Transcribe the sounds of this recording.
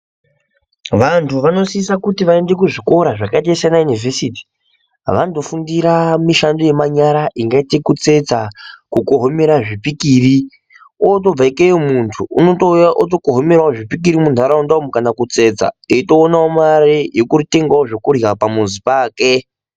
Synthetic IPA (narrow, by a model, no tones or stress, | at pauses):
ʋantʰuʋano̞siisakutiʋaende̞k̬uʐiko̞ɾaʐakatesanajunivʱesiti̥ | ʋando̞fundiɾamiʃando̞je̞maɲaɾaʔiŋɡaitekut͡se̞d͡zakukoɦome̞ɾaʐipikiːri | ot̬o̞b͡vaikejomuntʰuuno̞toaʔotokoɦome̞ɾwaoʐipik̬iɾimuntʰuaɾaundaomukanakut͡se̞d͡za̰iito̞ːnaomaɾejokurite̞ŋɡaoʐokurjapamunzipaːke